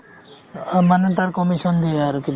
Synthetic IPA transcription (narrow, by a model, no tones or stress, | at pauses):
manet̪aɾkɔmiʃɔnd̪ieaɾki